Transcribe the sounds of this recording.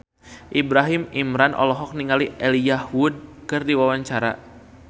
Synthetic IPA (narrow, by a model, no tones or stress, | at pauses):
ʔibɾaɦimimɾanʔɔ̰lɔɦɔk̚niŋaliʔɛlijahwud̚kɨrdiwawaɲt͡ʃaɾa̰